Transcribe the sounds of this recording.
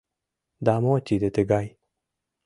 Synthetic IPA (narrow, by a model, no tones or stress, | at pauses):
d̪amot͡ɕid̪et̪eɡai